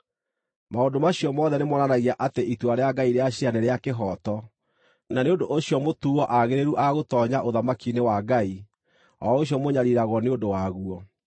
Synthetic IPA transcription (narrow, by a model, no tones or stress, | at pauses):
maondomaɕiɔmɔðɛnemɔnanaɣiaʔateʔitwaɾeaɡaiɾeaɕianɛɾeakeɦɔtɔ | naneondoʔoɕiɔmotuɔʔaɣeɾeɾuʔaɣotɔːɲaʔoðamakinewaɡai | ɔoɕiɔmoɲaɾiɾaɣɔneondowaɣuɔ